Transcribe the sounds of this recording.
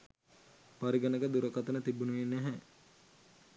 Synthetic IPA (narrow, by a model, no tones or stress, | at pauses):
paɾiɡɐnəkəd̪uɾəkɐt̪ənət̪ibunuʋenːɛɦɛ